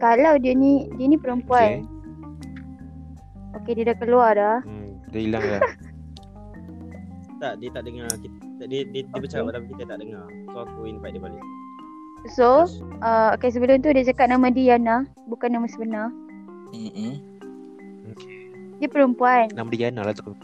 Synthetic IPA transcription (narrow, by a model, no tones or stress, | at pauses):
kalawdiənidiənĩpəɾəmpuan | okediədakəluardadəilaŋa | t̪aʔdiət̪aʔdəŋakit̪ | t̪adiədiədibət͡ʃakapat̪apikit̪ət̪aʔdəŋa | saakoinpaiʔdiəbalis | soəokes̬əbəlʊmt̪udiad͡ʒakat̪̚namãdijana | bukanamasəbəna | okʰe | diəpəɾəmpuannamadianalat̪ak̪